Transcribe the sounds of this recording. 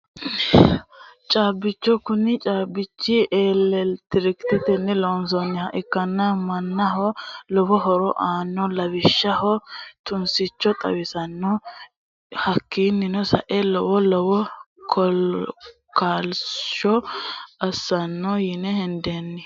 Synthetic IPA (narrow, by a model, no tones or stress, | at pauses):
t͡ʃʼaːbːɪt͡ʃːɔkʊnɪt͡ʃʼaːbɪt͡ʃːɪʔeːlːɛlt̪ɪɾɪkt̪ɪt̪ɛnːɪlɔns̬ɔnːɪhɐʔɪkːɐnːɐmɐnːɐɦɔlɔbɔɦɔɾɔʔaːnːɔlɐbɪʃːɐhɔt̪ʊnsɪt͡ʃːɔt̪ʼɐ̰wɪsɐnːɔ | hɐkːinːɪnɔsɐ̰ʔɛlɔwɔlɔbɔ | kʰɔlkaːlʃɔɐsːɐnːɔjɪnɛhɪnd̪enːɪ